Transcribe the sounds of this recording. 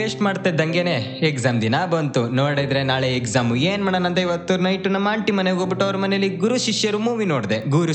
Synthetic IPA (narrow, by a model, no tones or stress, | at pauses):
eːsʈmaːɖt̪ːed̪ɐŋɡene̞ekzaːmd̪inaːbɐnt̪unoːɽed̪ɾe̞naːɭeekzaːmueːnmɐɳɐnɐnd̪eiʋɐt̪ːunɐjʈːunːɐmaːɳʈimɐneɡoːbiʈːuɐʋɐɾɐmɐnejɐlːiɡuɾuʃiʃjɐɾumuːʋino̞ːɽd̪eɡuɾu